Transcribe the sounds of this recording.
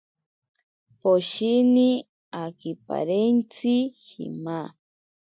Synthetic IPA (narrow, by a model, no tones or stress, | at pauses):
poʃini | akipa̰ɾent͡sihḭma